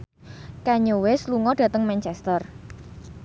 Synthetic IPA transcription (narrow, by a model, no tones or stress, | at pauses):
kaɲowɪsluŋɔɖ̥ä̤t̪əŋmɛnt͡ʃɛst̪ər